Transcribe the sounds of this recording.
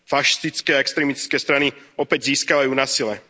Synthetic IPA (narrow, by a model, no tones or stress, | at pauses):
faʃi̥st̪it͡skɛːaɛkst̪ɾɛmit̪i̥t͡skɛːst̪ɾaniɔpɛɟziːskaʋajuːnasilɛ